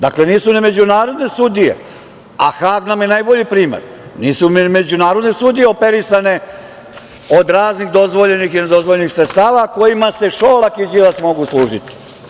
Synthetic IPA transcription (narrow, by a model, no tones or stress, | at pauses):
d̪akle̞niːsunemed͡ʑunaːɾo̞d̪ne̞sud̪ijḛ | a̰xaːɡnamje̞naːjbo̞ʎipɾiːmḛɾ | niːsummed͡ʑunaːɾo̞d̪ne̞sud̪ijeopeɾisane̞ | o̞d̪ɾaːznixd̪o̞zʋo̞ʎenixined̪o̞zʋoʎenixsɾet̪st̪aːʋako̞jimase̞ʃoːlˠakid͡ʑilasmo̞ɡuslˠuːʒit̪i̥